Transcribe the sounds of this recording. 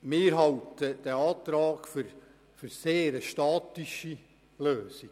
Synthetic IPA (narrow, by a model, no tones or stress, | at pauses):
mɪːɾɦɑltəd̥ɛɑːt̪ɾɑːɡ̥fʏɾ | fyɾseːɾəʃtɑːtiʃi | løːsiɡ̥